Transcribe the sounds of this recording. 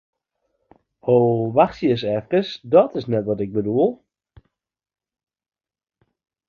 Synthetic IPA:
oːʋaxsjəs̬ɛfkəsdɔtɪsnɛtʋɔtɪɡ̚bəduəlˠ

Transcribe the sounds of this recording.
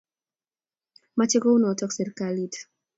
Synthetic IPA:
mat͡ʃɛkɔunɔatɔksɛɾkalit

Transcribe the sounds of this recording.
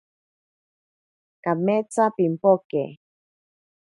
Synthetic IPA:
kamet͡sapimpokḛ

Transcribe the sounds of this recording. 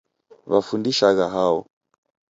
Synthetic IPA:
βafundiʃaɣaɦaɔ̰

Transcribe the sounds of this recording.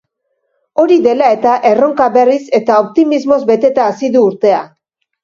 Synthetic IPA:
o̞ɾiðe̞lae̞t̪aʔe̞ro̞ŋkaβe̞rise̞t̪ao̞p̚t̪imizmo̞zbe̞t̪e̞t̪aːsiðuːɾt̪e̞a

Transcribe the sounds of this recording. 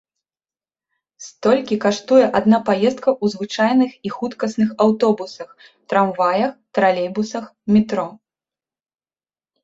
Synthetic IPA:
st̪ɔlʲkʲikaʂt̪ujɛʔad̪napajɛst̪̚kɐʔuzvɨt͡ʂajnɨxixut̪kɐsnɨxawt̪ɔbusɐx | t̪ɾamvajɐxt̪ɾalʲɛjbusɐxmʲit̪ɾɔ

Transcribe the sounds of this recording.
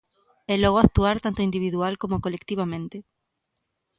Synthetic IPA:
ɛlɔɣ̞oak̚t̪uaɾt̪ant̪oind̪iβ̞iðualkomokolekt̪iβamẽnt̪ɪ

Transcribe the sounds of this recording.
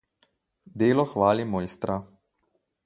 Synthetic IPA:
d̪eːlɔxʋaːlimɔːjst̪ɾa

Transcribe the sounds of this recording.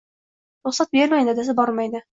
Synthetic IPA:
ɾʊχsat̪̚beɾmajd̪ɪd̪asɪbɒɾmajd̪ɪ

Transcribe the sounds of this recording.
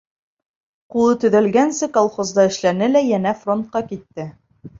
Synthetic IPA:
qulˠɤt̪ɵ̆ðælɡænsɘkolˠχozd̪ɑɘ̆ʃlænɘlæjænæfront̪̚qɑkit̪ːɘ

